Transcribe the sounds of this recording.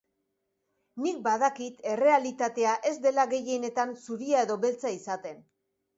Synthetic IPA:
nik̚baðakit̪e̞re̞alit̪at̪e̞aʔe̞zd̪e̞laɣe̞je̞ne̞t̪ansuɾiae̞ðo̞βe̞lt͡saisat̪e̞n

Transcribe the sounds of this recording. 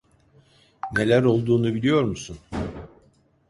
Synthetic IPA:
ne̞lʲæɾo̞lˠd̪uːnubilʲijo̞ɾmusun

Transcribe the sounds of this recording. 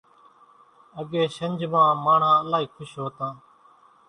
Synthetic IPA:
əɠeːʃəɲʲd͡ʒmãːmaːɳ̤ãːəlaːɦiːkʰʊʃɦoːt̪ãː

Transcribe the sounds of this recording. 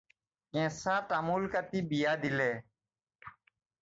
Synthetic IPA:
kẽːsãːt̪amuːlkət̪iːbijaːd̪ɪleː

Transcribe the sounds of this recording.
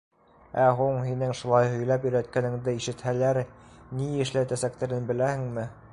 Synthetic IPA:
æɦuɴhinɘŋʃulˠɑjɦɵ̆jlæpjɵ̆jɾæt̪̚kænɘ̆ŋd̪ɘiʃɘ̆t̪hælæɾniɘ̆ʃlæt̪æsæk̚t̪æɾɘnbɘ̆læhɘŋmɘ

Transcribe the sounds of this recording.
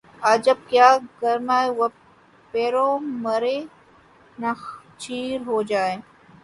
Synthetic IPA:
aːd͡ʒɐb̚kjaːɡɐɾnaːewɐ | peːɾõːmɐɾeː | nat͡ʃiːɾɦoːd͡ʒaːeː

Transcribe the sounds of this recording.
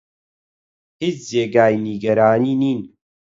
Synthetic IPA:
hit͡szeːɡaːiniɡɐɾaːniːniːn

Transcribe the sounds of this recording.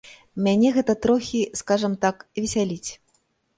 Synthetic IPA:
mʲanʲɛɣɛt̪ɐt̪ɾɔxʲiskaʐɐmt̪akvʲɛsʲalʲit͡sʲ

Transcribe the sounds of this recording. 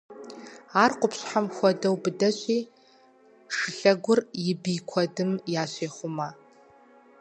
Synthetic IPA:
aːrqʷʊpɕħamxʷɔdɐwbɨdɐɕʼiː | ʂɨɬɐɡʷʊrjɪbiːkʷʰɔdɨmjaːɕeːχʷʊma

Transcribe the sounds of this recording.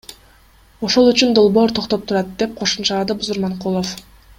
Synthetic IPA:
o̞ʃo̞lˠyt͡ʃynd̪o̞lˠbo̞ːɾt̪ʰo̞qt̪o̞p̚t̪ʰuɾɑt̪̚d̪e̞p̚qʰo̞ʃumt͡ʃɑlˠɑd̪ɯbuzuɾmɑɴqulˠof

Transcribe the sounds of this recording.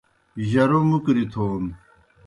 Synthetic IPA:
ʑɐɾomukɾit̪ʰoːn

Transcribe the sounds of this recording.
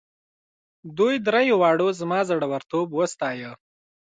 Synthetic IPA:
d̪ujd̪ɾajowɑɽozmɑzaɽawaɾt̪obwəst̪ɑjə

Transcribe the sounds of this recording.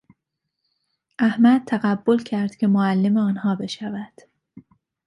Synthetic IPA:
ʔæhmæd̪̚t̪ʰæɣæbːo̞lcʰæɾd̪̥cʲʰe̞moælːe̞meɒːnhɒːbe̞ʃævæd̪̥

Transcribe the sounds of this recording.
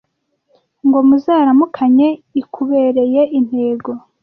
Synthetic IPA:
ŋɡo̞muzaːɾamukʰaɲe̞ikʰuβe̞ːɾe̞je̞ʔin̥he̞ːɡo̞

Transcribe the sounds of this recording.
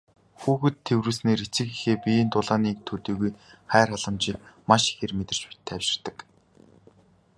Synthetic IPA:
xuːxɘ̆t̪ʰːewrŭːɮsneːɾit͡sɘ̆kixeːpʲijeːnt̪ʊɮaːniːk̚t̪ʰɵt̪iːɣujχæːraɮə̆mt͡ɕiːkmaʃi̥xeːrmet̪ɪ̆r̥t͡ɕpi̥t̪ʰːæwʃɪ̥̆r̥t̪ə̆k

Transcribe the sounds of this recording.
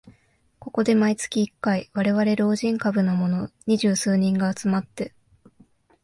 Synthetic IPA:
ko̞ko̞d̪e̞mait͡sɨ̥kʲiːkːaiβaɾe̞βaɾe̞ɾo̞ːʑĩŋkabɯ̟no̞mo̞no̞ɲ̟iʑɨːsɨːɲ̟ĩŋɡaːt͡sɨmat̪ːe̞

